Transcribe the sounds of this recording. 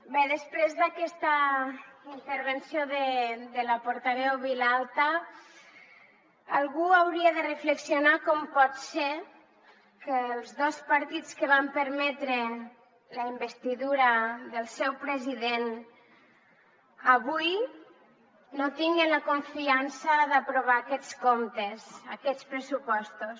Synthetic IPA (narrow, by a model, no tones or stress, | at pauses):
bɛðəspɾezðakɛst̪a | int̪əɾβənsjoðed̪əlapoɾt̪aβɛwβilalˠt̪a | alˠɣuawɾiaðərəfləksionakɔmpɔt̪se | kəlˠzðɔspaɾt̪itt͡skəβampəɾmɛt̪ɾe | ləimbəst̪iðuɾaðəlˠsɛwpɾəziðen | aβuj | not̪iŋɡənlakuɱfiansaðapɾuβ̞aːkɛt͡skomt̪ezakɛt͡spɾəsupɔst̪us